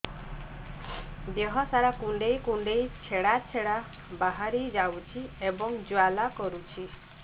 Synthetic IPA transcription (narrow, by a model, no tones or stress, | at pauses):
beɦɔsaɾakuɳɖejkuɳɖejt͡ʃʰeɽat͡ʃʰeɽa | baɦaɾid͡ʒawt͡ʃʰiebɔŋd͡ʒwalakɔɾut͡ʃʰi